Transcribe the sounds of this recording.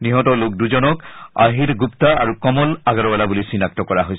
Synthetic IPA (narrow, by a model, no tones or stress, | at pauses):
niɦɔtɔlok̚duzɔnɔka̰ɦiɾɡuptaaɹukɔmɔlaɡaɹɔbalabulisinak̚tɔkɔɹaɦojs